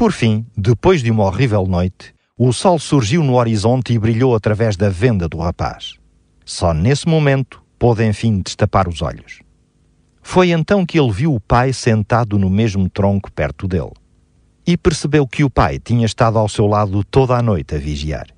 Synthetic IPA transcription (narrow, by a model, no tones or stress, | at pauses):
pɔɾfĩd̪ɨpojʒðumɐɔʁivɛlˠnojt̪ | usɔlˠsuɾʒiwnuɔɾizõnt̪iβɾiʎowɐt̪ɾɐvɛʒðɐvẽnd̪ɐðuʁɐpa̰ʃ | sɔnesmumẽnt̪u̥poðẽj̃fĩd̪ɨʃt̪ɐpaɾuzɔ̰ʎuʃ | fojẽnt̪ɐ̃w̃kɨelˠviwupajsẽnt̪aðunumeʒmut̪ɾõŋku̥pɛ̰ɾt̪uðḛlˠ | ipɨɾsɨβewkɨupa̰jt̪iɲɐʃt̪aðuawsewlˠaðut̪oðanojt̪ɐviʒia̰ɾ